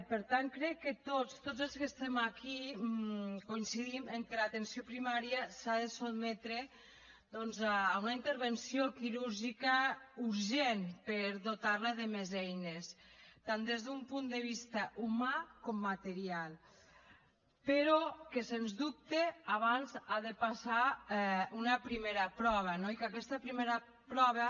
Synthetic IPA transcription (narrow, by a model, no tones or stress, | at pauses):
peɾt̪aŋkɾɛkːet̪ost̪od͡zelˠskest̪ɛmaki | koinsiðimeŋkelat̪ensiopɾimaɾiəsaðesod̪mɛt̪ɾe | d̪ɔnzaːunaint̪əɾβensiokiɾuɾʒikauɾʒenpeɾðot̪aɾlaðemezɛjnest̪and̪ezðumpund̪eβ̞ist̪ɐʔumakomːat̪eɾialˠ | peɾɔkesenzdup̚t̪eaβ̞anzaðepasa | unɐpɾimeɾapɾɔβ̞anoikakɛst̪apɾimeɾa | pɾɔβa